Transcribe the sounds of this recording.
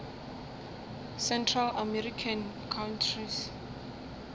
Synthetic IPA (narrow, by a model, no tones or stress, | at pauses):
sɛntʰralamɛrikʰan | kʰawntʰris